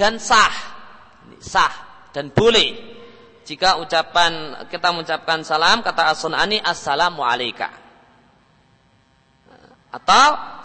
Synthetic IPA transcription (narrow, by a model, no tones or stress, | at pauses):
d̥ansah | nḭsahd̥anb̥olɛh | d͡ʒikaut͡ʃapankit̪aməut͡ʃap̚kansalamkat̪aːsɔnaniʔasalamaʕa̰lajka̰ | ʔat̪aw